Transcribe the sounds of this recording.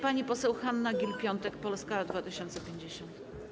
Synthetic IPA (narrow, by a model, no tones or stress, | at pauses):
paɲipɔsɛwxanːaɡʲilpʲjɔnt̪ɛkpɔlskad̪vat̪ɘɕɔnt̪sɛpʲeɲd͡ʑeɕɔnt̪